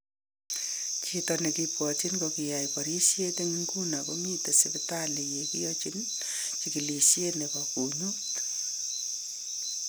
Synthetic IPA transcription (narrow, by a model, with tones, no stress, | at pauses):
t͡ʃitɔne˨kipwɔt͡ʃi˦nkokija˨jpɔ˨ɾi˦sje˦te˦ŋŋku˦nako˦mi˦te˨sebɪtale˨je˨ki˦jɔt͡ʃi˦n | t͡ʃiki˨lisje˦nekɔku˨ɲu˦